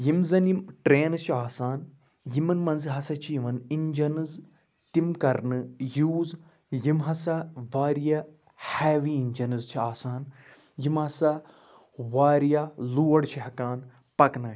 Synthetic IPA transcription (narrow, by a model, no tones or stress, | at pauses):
jimzɐniʈɾeːnɨt͡ʃʰiaːsaːn | jimɐnmɐ̃nzɨɦɐsɐt͡ʃʰiʋɐnind͡ʒɐnɨz | t̪imkɐɾnɨjuːz | jimɦɐsɐʋaːɾijɐ | hɛːʋiiɲʲd͡ʒɐnɨzt͡ʃʰiaːsaːn | jimɦɐsɐ | ʋaːɾijaluːɐɽt͡ʃʰiɦɐkaːn | pɐknɐ